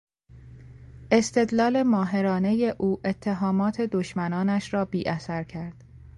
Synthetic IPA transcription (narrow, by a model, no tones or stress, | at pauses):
ʔe̞st̪ʰe̞d̪lɒːle̞mɒːɦe̞ɾɒːne̞je̞ʔuːʔe̞t̪ʰːe̞ɦɒːmɒːt̪ʰe̞d̪oʃmænɒːnæʃɾɒːbiːʔæsæɾcʰæɾd̪̥